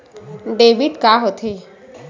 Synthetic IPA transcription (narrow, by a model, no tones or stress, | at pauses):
ɖeːʋiʈkaːɦot̪ʰe